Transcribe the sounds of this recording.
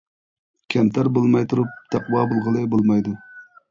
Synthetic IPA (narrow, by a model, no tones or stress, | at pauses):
kʲʰɛmt̪ʰæɾbolˠmɑjt̪ʰuɾup̚t̪ʰæqwɑbɨlˠʁəlˠɨbolˠmɑjd̪u